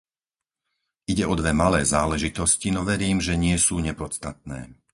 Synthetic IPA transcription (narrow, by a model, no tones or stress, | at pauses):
ʔiɟɛɔd̪ʋɛmalɛːzaːlɛʒit̪ɔscinɔʋɛɾiːmʒɛɲɪɛsuːɲɛpɔt͡st̪at̪̚nɛ̰ː